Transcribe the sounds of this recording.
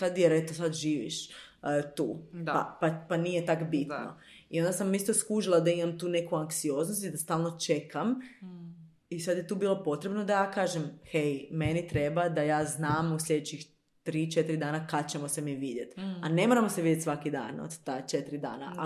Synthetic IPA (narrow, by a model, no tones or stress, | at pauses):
sad̪jeɾet̪osad̪ʒiːʋḭʃ | t̪uːpa̰papanijet̪akbit̪no̰io̞nd̪asamist̪oskuʒilˠad̪aimamt̪uːne̞kuaŋksio̞ːznost̪id̪ast̪aːlˠno̞t͡ʃekʰam | isad̪jet̪uːbiːlo̞po̞t̪ɾebnod̪ajaːkaːʒemxejme̞nit̪ɾe̞bad̪ajaːznaːmuslʎʲe̞d̪et͡ɕix | t̪ɾiːt͡ʃet̪iɾid̪aːnakad̪t͡ʃemosemiʋiːd̪jet̪anemoɾamoseʋiːd̪jet̪sʋakid̪a̰ːno̰d̪t̪aːt͡ʃet̪ɾid̪a̰ːna̰a